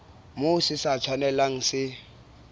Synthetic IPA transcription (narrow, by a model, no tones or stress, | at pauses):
mʊsɪsat͡ʃʰwanɛlaŋ̩sɪ